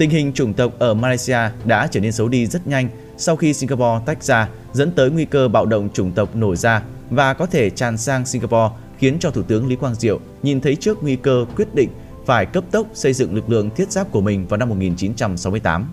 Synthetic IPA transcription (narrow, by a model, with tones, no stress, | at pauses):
t̪ï˧ŋ̟ɦï˨˩ŋ̟t͡ɕʊ˨˧˩ŋ͡mt̪ə˨˩wk͡p̚ʔəː˧˩maː˧la˧jsi˧aː˧ɗa̰ː˧˥t͡ɕəː˧˩ne˧nsə˨˦wɗi˧zə˦˥t̚ɲa˧jŋ̟ | sa˧wxi˧si˧ŋɣaː˧pɔ˧t̪a˦˥jk̚zaː˧ | zə̰˧˥nt̪əː˨˦jŋwi˧kəː˧ɓa̰ː˧˨wɗə̰˧˨wŋ͡mt͡ɕʊ˨˧˩ŋ͡mt̪ə˨˩wk͡p̚no˧˩jzaː˧vaː˨˩kɔ˨˦t̪ʰe˧˩t͡ɕaː˨˩nsaː˧ŋsi˧ŋɣaː˧pɔ˧ | xi˨˦ənt͡ɕɔ˧t̪ʰu˧˩t̪ɨ˨˦əŋli˨˦kwaː˧nzḭ˧˨əw | ɲi˨˩nt̪ʰə˨˦jt͡ɕɨ˦˥ək̚ŋwi˧kəː˧kwi˦˥ət̚ɗḭ˧˨ŋ̟ | faː˧˩jkə˦˥p̚t̪ə˦˥k͡p̚sə˧jzɨ̰˧˨ŋlɨ˨˩k̚lɨ̰˧˨əŋt̪ʰi˦˥ət̚z̥aː˦˥p̚ku˧˩əmï˨˩ŋ̟vaː˨˩wna˧mːo˨˩t̚ŋi˨˩nt͡ɕi˨˦nt͡ɕa˧msa˨˦wm˧əjt̪aː˨˦m